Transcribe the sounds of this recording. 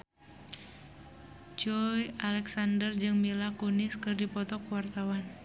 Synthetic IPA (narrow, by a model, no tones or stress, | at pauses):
d͡ʒɔjalɛksandərd͡ʒɨŋmilakunɪskɨrdipɔt̪ɔkuwart̪awan